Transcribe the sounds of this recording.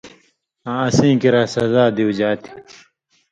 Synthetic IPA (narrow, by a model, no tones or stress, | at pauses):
ãɐsĩːkiɾaːsɐzaːd̪iwud͡ʑaːt̪ʰi̥